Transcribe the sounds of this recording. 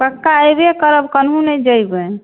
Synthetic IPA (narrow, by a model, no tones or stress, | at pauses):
pəkːaəjbekəɾəbkənɦũnɛd͡ʒəjbɛ